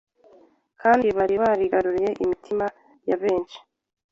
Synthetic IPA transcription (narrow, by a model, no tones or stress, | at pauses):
kʰaːndiβaɾiβaːɾiɡaɾuɾije̞ʔimitʰima | jaβe̞ːnʃi̥